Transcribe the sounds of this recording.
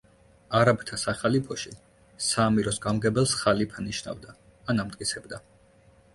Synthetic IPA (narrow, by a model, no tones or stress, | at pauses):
aɾabt̪ʰasaχalipʰɔʃi | saːmiɾɔsɡamɡɛbɛlˠsχalipʰaniʃna̰vd̪aː | namt̪ʼkʼit̪sʰɛbd̪a